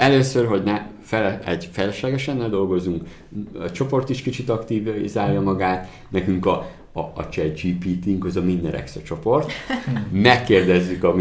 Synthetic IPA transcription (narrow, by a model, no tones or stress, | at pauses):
ɛløːsørɦo̞ɟnɛ | fɛlɛɛɟfɛlɛʃlɛɡɛʃɛnːeːld̪o̞lɡo̞zuŋk | ɛt͡ʃo̞po̞rt̪iʃkit͡ʃit̪ɒkt̪iːvzaːrjɒmɒɡaːt̪ | nɛkyŋkɒː | t͡ʃɛdd͡ʒiːpit̪iŋɡɒzɒminːɛɾʔɛ̰ksɛt͡ʃo̞po̞rt̪mɛkːeːrd̪ɛzːykɒmi